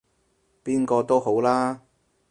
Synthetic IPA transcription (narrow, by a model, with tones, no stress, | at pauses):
piː˥nkɔː˧t̪o˥who˨˥wlaː˥